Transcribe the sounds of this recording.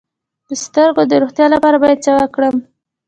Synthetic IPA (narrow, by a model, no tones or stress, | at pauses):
d̪̥əst̪əɾɡod̪əɾoxt̪jɑlapɑɾabɑjad̪̚sawakɽəm